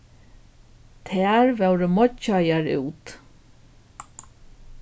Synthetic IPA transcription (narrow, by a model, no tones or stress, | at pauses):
t̪ʰæːɹvɛwɾəmɔt͡ʃːajaɹʉ̰ːt̪